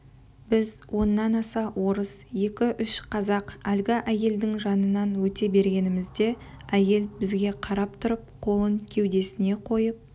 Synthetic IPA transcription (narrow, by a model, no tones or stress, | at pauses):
bɪzwʔo̞nːɑnɑsɑwʔo̞ɾəsje̞kʲɪʔʏʃqʰɑzɑqælɡʲɪʔæje̞ld̪ɪŋʒɑnənɑnwɵt̪e̞be̞ɾɡʲe̞nɪmɪzd̪e̞ | æje̞lbɪzɡʲe̞qʰɑɾɑp̚t̪ʰʊɾəp̚qʰo̞lˠəŋkʲʰe̞wd̪e̞sɪne̞qʰo̞jəp̚